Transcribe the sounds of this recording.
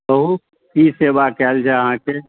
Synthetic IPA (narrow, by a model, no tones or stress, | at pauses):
bəɦu | kiːseːbakɛld͡ʒʱaɦãke